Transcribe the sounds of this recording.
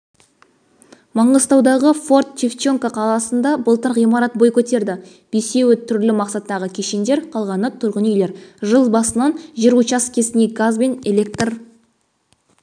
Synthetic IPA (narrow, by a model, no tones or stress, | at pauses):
mɑɴəzt̪ɑwd̪ɑʁəfo̞rt̪̚t͡ʃift͡ʃoŋkaqʰɑlˠɑsənd̪ɑbəlˠt̪əɾʁijmɑɾɑt̪̚bo̞jkʲʰɵt̪e̞ɾd̪ɪ | b̥ese̞wɪt̪ʰʏɾlɪmɑqsɑt̪ːɑʁəkʲʰeʃend̪e̞ɾqʰɑlˠʁɑnət̪ʰʊɾʁənejle̞ɾʒəlˠbɑsənɑnʒiɾut͡ʃɑskʲʰe̞sɪne̞ɡazbe̞nelʲe̞k̚t̪r